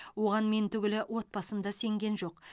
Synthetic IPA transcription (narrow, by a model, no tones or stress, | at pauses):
wo̞ʁɑnme̞nt̪ʰʏɡʲɪlɪʔwʔo̞t̪̚pɑsəmd̪ɑse̞ŋɡʲe̞nʒo̞q